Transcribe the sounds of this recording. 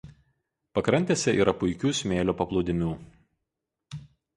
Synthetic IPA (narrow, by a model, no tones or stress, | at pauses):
pɐkɾɐnʲt̪ʲeːsʲɛʔiːɾɐpʊɪkʲuːsʲmʲeːlʲuːpɐplˠuːd̪ʲɪmʲuː